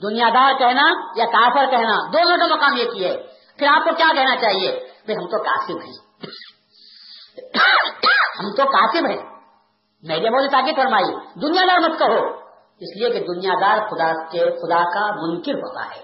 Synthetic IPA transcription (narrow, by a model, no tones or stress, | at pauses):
d̪ʊnijad̪aːɾkɛɦnajakaːfəɾkɛɦnad̪oːnõkamɐkaːmjekiɛː | pʰɪɾaːp̚kokjaːkɛɦnat͡ʃaːɦiebɐiɦɐ̃mt̪oka̰ːsɪbɦɛ̰̃ː | hɐmt̪okaːsɪbɦɛ̃ː | mɛːɾemoːlet̪aːkɪd̪fɐɾmaːid̪ʊnijad̪aːɾmɐt̪kɐɦoː | ɪslieked̪ʊnijad̪aːɾxʊd̪akexʊd̪akamʊ̃ŋkɪɾɦo̰ːt̪a̰ɦɛ̰ː